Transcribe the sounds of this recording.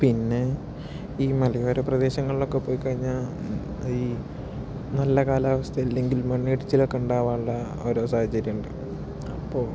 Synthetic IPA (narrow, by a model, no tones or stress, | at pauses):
pinːe̞ | iːmɐlɐjoːɾeprɐd̪e̞ːɕɐŋːɐɭilo̞kːepːoːjkɐɻiɲːa | iː | nɐlːɐkaːlaːʋɐst̪ʰɐjilːe̞ŋɡilmɐɳːiʈit͡ɕːilo̞kːeuɳɖaːʋaːnuɭːɐ | o̞ːɾo̞ːsaːhɐt͡ɕɐɾjɐuɳɖɨ | ɐpːoːɭ